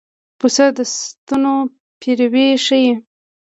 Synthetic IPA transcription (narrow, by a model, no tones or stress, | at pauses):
pusəd̪əst̪uno | pʰiɾweʂəje